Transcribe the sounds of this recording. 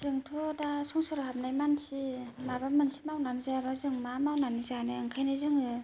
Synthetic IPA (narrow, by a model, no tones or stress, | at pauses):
z̥ɯŋtʰɔdasɔŋsɔɾɔhamnajmansimabamɯnsi̥mawnanizaabazɯŋmamawnanizaneɯŋkʰajnazɯŋɯ